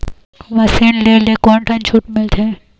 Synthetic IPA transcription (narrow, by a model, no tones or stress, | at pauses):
ʋɐsinleːlekoːnʈʰɐnt͡ʃʰuːʈmɪlt̪ʰẽ